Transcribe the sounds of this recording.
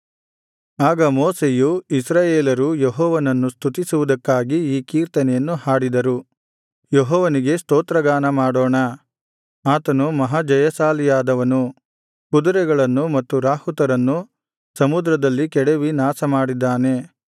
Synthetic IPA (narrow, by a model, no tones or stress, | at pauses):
aːɡɐmoːsejuisɾaːjeːlɐɾujeɦɔːʋɐnɐnːust̪ʰut̪isuʋud̪ɐkːaːɡiiːkiːɾt̪ɐnɛjɐnːuɦaːɽid̪ɐɾu | jeɦɔːʋɐniɡe̞st̪oːt̪ɾɐɡaːnɐmaːɽoːɳɐ | aːt̪ɐnumɐɦad͡ʒɐjɐsaːlijaːd̪ɐʋɐnu | kud̪uɾɛɡɐɭɐnːumɐt̪ːuɾaːhut̪ɐɾɐnːu | sɐmud̪ɾɐd̪ɐlːikɛɽeʋinaːsɐmaːɽid̪ːaːne̞